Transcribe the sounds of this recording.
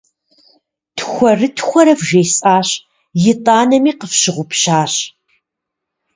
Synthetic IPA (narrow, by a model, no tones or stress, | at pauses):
tʰxʷɔrɨtʰxʷɔɾɐvʒeːjsʼaːɕ | jɪtʼaːnɐmiːqəfɕɪʁʷʊpɕaːɕ